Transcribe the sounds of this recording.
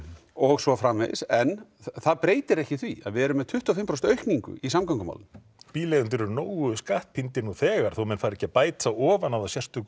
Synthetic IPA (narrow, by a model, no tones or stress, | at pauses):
ɔɣsvɔfɾamḛjðɪ̰sɛnːθaðpɾeːjt̪ɪɾɛhcɪθvia̰ðvɪɛɾʏmːɛðt̪ʰʏht̪ːafɪmpɾɔst̪œɥhkniŋkʏ̰ʔisamkawŋkʏma̰wlɪn | piːleðʏnt̪ɪɾɛɾnoːwɣʏskaht̪̚pʰɪnt̪ɪnuθɛːɣaɾ̥θowmɛnfaːɾɛhcɪapaːjt̪aɔːvanaðasjɛr̥t̪ʏ